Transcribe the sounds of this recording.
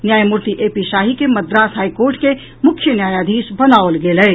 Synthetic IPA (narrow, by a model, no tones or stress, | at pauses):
njaːjmʊɾt̪iʔeːpiʃaːɦikemɐd̪ɾaːsɦaːikoːɾʈke | mʊkʰjənjaːjad̪ʱiːsbənaːʋəlɡeːləː